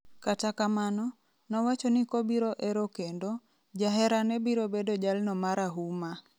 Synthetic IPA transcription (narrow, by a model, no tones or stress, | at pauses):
katakamanɔ | nɔwat͡ʃonikobiɾoʔeɾokendo | d͡ʒaɦɛɾanɛbiɾobedod͡ʒalnɔmaɾaɦuma